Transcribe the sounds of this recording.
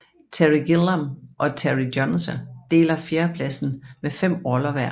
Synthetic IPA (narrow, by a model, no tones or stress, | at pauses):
t͡sʰæʁiɡ̥ilæmʔɒ̽t͡sʰæʁidjɒnsəd̥e̝̰ːlɐfjeːɐpʰlæsn̩mefem̰ɒlɐʋæɐ̰